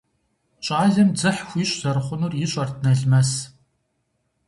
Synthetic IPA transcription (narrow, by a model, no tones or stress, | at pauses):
ɕʼaːɮɐmd͡zɨħxʷiɕʷʼz̥ɐrχʷʊnuːrjɪɕʷʼɐrtnɐɮmɐs